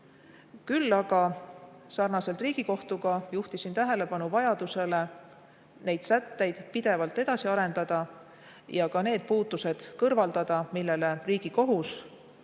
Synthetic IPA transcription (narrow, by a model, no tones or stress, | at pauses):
kylːɑɡ̥ɑsɑrnɑse̞lt̪riːɡ̥iko̞ht̪uɡ̥ɑjuht̪isint̪æɦe̞le̞pɑnuvɑjɑd̪use̞le̞ | ne̞jd̪̥sæt̪ːe̞jd̪̥pid̪e̞vɑlt̪ːˑe̞d̪̥ɑsiɑɾe̞nd̪̥ɑd̪̥ɑ | jɑkɑne̞ːd̪̥̚puːt̪ːˑuse̞d̪̥kɤrvɑld̪̥ɑd̪̥ɑmilːe̞le̞riːɡ̥iko̞ɦus